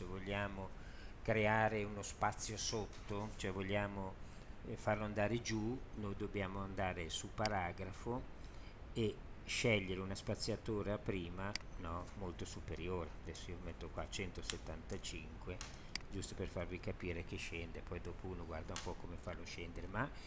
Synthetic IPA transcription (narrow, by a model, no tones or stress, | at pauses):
evoʎːaːmo | kɾeaːɾeunospat̪sːjosot̪ːot͡ʃoɛvoʎːaːmo | farloand̪aːɾed͡ʒunojd̪objaːmoand̪aːɾesupaɾaːɡɾafo | e | ʃɛʎːeɾeunaspat̪sːjat̪oːɾaapːɾiːmanɔmolt̪osupeɾjoːɾead̪ɛsːoiːomet̪ːokwat͡ʃɛnt̪oset̪ːant̪at͡ʃiŋkwe | d͡ʒust̪operfarvikapiːɾek̟eʃːɛnd̪epɔjd̪oːpouːnoɡward̪aumpɔkːomefalːoʃɛnd̪eɾema